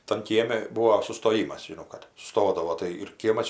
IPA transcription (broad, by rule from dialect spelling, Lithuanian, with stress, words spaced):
tɐn ˈkʲiɛmʲɪ ˈbuːoː sʊstoːˈjiːmɐs ʒʲɪˈnɐʊ kɐt sʊˈstoːdɐʋoː tɐɪ ɪr ˈkʲiɛmɐs ɪʃ